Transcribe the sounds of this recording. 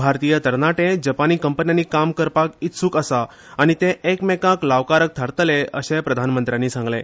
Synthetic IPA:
bʱaɾt̪ijət̪əɾnaʈẽd͡ʑəpaniːkəmpənjaniːkamkəɾpakit̪suːkəsaː | ñit̪ẽʔekmekãklaʋkaɾək̚t̪ʰaɾt̪əleəɕepɾəd̪ʱanmənt̪ɾjãnːiːsãŋɡlḛ̃

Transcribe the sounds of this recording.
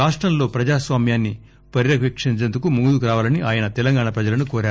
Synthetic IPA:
aːʂʈɾɐmlo̞ːpɾɐd͡ʒaːsʋaːmjaːnːi | pɐɾiɾɐkʋekʂiɲt͡ʃend̪ukumuɡud̪ukɾaːʋaːlɐniʔaːjɐnɐt̪ɛlɐŋɡaːɳɐpɾɐd͡ʒɐlɐnukoːɾaː

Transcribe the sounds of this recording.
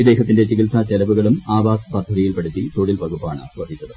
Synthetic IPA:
id̪e̞ːɦɐt̪ːinde̞t͡ɕikilsat͡ɕelɐʋuɣɐɭumaːbaːspɐt̪ʰːɐɾijilpɐɽut̪ːit̪oːɽilpɐɣupːaːɳɨ̰ʋɐd̪it͡ɕːɐðɨ

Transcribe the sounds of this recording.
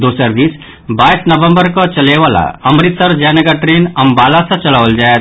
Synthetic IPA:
d̪oːsəɾd̪iːs | baːisnɐʋə̃mbəɾkɔt͡ʃɐleʋaːla̰ɐmɾɪt̪səɾd͡ʒaːnəɡaʈɾeːnɐmbaːlasɐ̃t͡ʃɐlaʋəld͡ʒaːet̪

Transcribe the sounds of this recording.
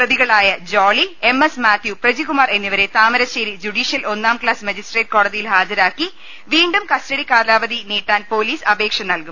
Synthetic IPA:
prɐðiɣɐɭaːjɐd͡ʑoːɭie̞mesmaːt̪ʰjuprɐd͡ʑiɣumaːre̞nːiʋɐɾe̞t̪aːmɐɾɐɕeɾid͡ʑuɽiːʂijɐlʔo̞nːaːmklaːsmɐd͡ʑisʈreːʈ̚ko̞ːɽɐðijilɦaːd͡ʑɐɾaːkːi | ʋiːɳɖumkɐstɐɽikaːlaːʋɐðiniːʈːaːnpo̞ːliːsɐbe̞ːkʂɐnɐlkum

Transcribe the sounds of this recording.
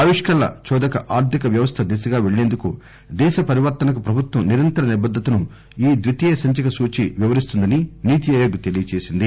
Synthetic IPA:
aːʋiʂkɐlːɐ̰t͡ʃɔːd̪ɐkɐʔaːɾt̪ʰikɐʋjɐʋɐst̪ʰɐd̪isɐɡaːʋeɭneːnd̪uku | d̪ɛːʃɐpɐɾiʋɐɾt̪ɐnɐkupɾɐbʱut̪wɐmniɾɐnt̪ɐɾɐnɛbɐd̪ːɐt̪ɐnu | iːd̪ʋit̪ɛːɐsɐɲt͡ʃɐkɐsuːt͡ʃiʋiʋɐɾist̪und̪ɐniniːt̪ijɐːjoːɡɐt̪e̞lijɐt͡ʃeːsind̪i

